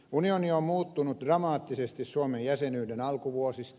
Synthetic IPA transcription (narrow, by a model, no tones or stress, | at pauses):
unioniommuːt̪ːunut̪drɑmɑːt̪ːisest̪issuomejjæsenyːdenɑlkuʋuosist̪